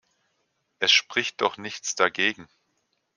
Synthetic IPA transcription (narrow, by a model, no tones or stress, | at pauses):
ʔɛsʃpʁ̥ɪçt̚d̥ɔχnɪçt͡sd̥aɡeːɡŋ̩